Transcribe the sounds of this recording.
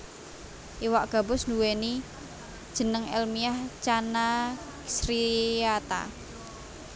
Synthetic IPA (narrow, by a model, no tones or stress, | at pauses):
ʔiwaʔɡ̥a̤bʊsnuweni | d̥ʒ̥ə̤nəŋɛ̰lmiaht͡ʃana | sɾiat̪a̰